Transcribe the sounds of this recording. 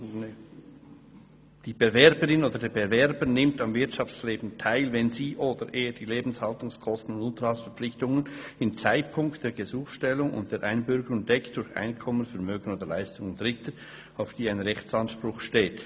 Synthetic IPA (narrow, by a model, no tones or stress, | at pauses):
n | d̥iːb̥evɛɾbəɾɪnoːdədeːbevɛɾbənɪmtɑmvɪɐtɑft͡sleːbn̩tʰaɪlvɛnziːʔoːdəɾʔeːəd̥iːleːbn̩shɑltʊŋskʰɔstn̩ʊndʊntəɾhɑlsfɛɐɾp͡flɪçtʊŋənɪmt͡saɪt̚pʰʊŋkt̚d̥eːɐɡəzuːxʃtɛlʊŋʊ̰nt̚d̥eːʔaɪnbʏɾɡəɾʊŋdɛkt̚d̥ʊɾça̰ɪnkʰɔmənfɛɐmøːɡən̩oːdəlaɪstʊŋʊndʁɪtə | aʊfd̥iːaɪnʁɛçt͡sɑnʃpʁʊχʃteːt